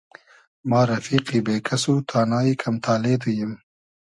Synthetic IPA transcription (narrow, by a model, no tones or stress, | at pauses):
mɑːɾafiːqibeːkʰasut̪ʰɑːnɑːikʰamt̪ʰɑːled̪ujɪm